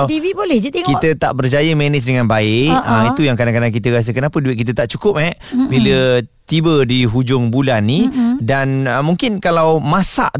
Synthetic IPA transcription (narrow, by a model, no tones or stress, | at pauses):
t̪ivibolɛhd͡ʒat̪iŋkit̪ət̪a̰ʔbərd͡ʒajəmɛnət͡ʃdəŋãnbaɪʔəit̪ujaŋkadaŋkanak̬it̪əɾas̬əkənapəduɪt̪̚kit̪̬ət̪aʔt͡ʃukʊp̚hɛʔbilət̪ibədiɦud͡ʒʊŋbulanːidanəmuŋkɪnkalawmasa̰ʔ